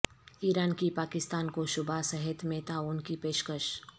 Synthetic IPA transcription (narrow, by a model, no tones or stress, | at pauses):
iːɾaːnkipaːkɪst̪aːnkoʃʊbʱasəɦɪt̪mẽt̪aʊnkipeːʃkəʃ